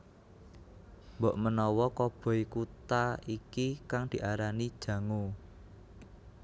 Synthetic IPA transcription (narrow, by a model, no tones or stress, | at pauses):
mbɔʔmənɔwɔkɔb̥ɔ̤jkut̪aikikaŋd̪̥i̤ʔaɾanid̥ʒ̥ä̤ŋu